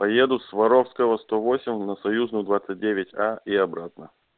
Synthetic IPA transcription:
pɐje̞d̪ʊsvɐɾofskəvəst̪ovo̞sʲɪmʲnəsɐjuznʊjʊd̪vat̪sɨt̚ʲdʲevʲɪtʲaiɐbɾat̪nə

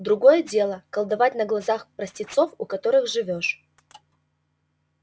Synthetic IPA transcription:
d̪ɾʊɡo̞jədʲe̞lˠəkɐlˠd̪ɐvat̚ʲnəɡlˠɐzaxpɾəsʲtʲɪt̪so̞fʊkɐt̪o̞ɾɨxʐɨvʲo̞ʂ

